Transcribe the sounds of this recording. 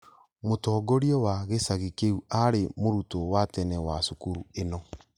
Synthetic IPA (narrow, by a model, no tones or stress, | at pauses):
motɔːɡoɾiɔwaɣesaɣikeuaɾemoɾutowatɛnɛwasukuɾuenɔ